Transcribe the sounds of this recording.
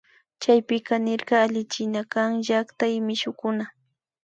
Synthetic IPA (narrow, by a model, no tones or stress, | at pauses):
t͡ʃajpɪkɑnɪɾɢɑːʎɪt͡ʃɪnakaŋʒakt̪ajɪmɪʃʊkʊna